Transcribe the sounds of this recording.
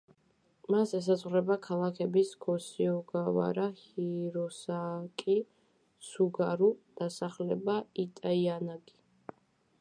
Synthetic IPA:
masɛs̬azʁwɾɛbakʰalˠakʰɛbisɡʰɔsiɔɡava̰ɾahiɾɔsakʼi | suɡaɾud̪̥asaχlɛbait̪ʼaianaɡi

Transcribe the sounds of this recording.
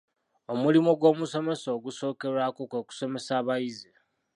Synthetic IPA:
o̞mulimoɡwo̞ːmuso̞me̞soːɡuso̞ːke̞ɾwakokweːku̥so̞me̞saːβajize

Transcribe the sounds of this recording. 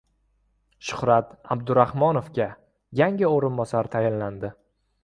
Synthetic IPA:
ʃʊ̥hɾat̪abd̪ʊɾahmɒnofɡʲa | jaŋʲɪoɾɪnbɒsaɾt̪ʰajɪnland̪ɪ

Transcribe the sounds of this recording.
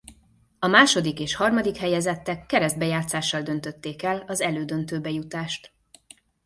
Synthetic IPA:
ɒmaːʃo̞d̪ikeːʃhɒrmɒd̪ikhɛjɛzɛt̪ːɛkːɛɾɛzd̪bɛjaːt̪saːʃːɒld̪ø̞nt̪øt̪ːeːkɛlɒzɛløːd̪ø̞nt̪øːbɛjut̪aːʃt̪

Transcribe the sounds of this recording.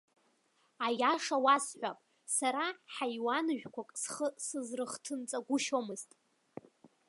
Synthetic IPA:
ajaʂawasħʷᶣapʼ | saɾaħajwanʒᶣkʷakʼsχəsɨzrɨχtʰɨnt͡sʼaɡʷʊʃomɨztʼ

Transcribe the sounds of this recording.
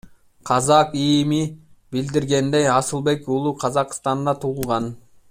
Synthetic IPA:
qʰɑzɑqijmibild̪iɾɡe̞nd̪ejɑsɨlˠbe̞kulˠuqʰɑzɑqst̪ɑnd̪ɑt̪ʰuʁʊlˠʁɑn

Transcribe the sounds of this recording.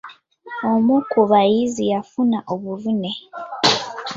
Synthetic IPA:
omukuβajizijafunaʔoβuvune̞

